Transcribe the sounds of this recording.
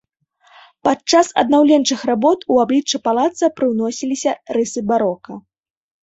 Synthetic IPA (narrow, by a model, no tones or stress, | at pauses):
pat͡ʂasɐ̰d̪nawlʲɛnt͡ʂɨxrabɔt̪uablʲit͡ʂːɨpalˠat̪sɐpɾɨwnɔsʲilʲisʲɐɾɨsɨbaɾɔkɐ